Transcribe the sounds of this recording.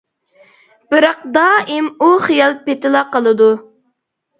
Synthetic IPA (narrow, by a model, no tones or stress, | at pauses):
b̥ɨɾɑq̚d̪ɑimuχijɑlˠpet̪ɪlˠɑqəlˠɨd̪u